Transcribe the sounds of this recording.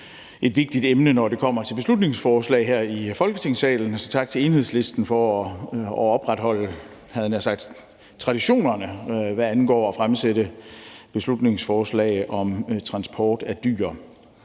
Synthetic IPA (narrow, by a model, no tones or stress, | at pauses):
ʔe̝d̥ʋe̝ɡ̥̚d̥id̥emnənɒde̝kʰɒ̽m̰ɐt͡sʰe̝lb̥eslud̥ne̝ŋsfɒːslɛ̰ːɪɦeɐ̰ifɒ̽lɡ̥ət͡sʰe̝ŋsɛ̰ːln̩sɒt͡sʰɑ̈ɡ̥̚t͡sʰe̝e̝ːnhe̝ð̞̰ˠsle̝sd̥n̩fɒ | ɒb̥ʁad̥hɒ̽l̰ə | hæðˠnæsɑ̈ɡ̥̚d̥ | t͡sʰʁɑ̈ɾ̥iɕo̝̰ːnɐnəʋæænɡ̥ɒ̰ːɒ̽fʁamseɾəb̥e̝slud̥ne̝ŋsfɒːslɛ̰ːɪʔɒ̽mt͡sʰʁɑ̈nsb̥ʰɒ̰ːd̥æd̥y̰ːɐ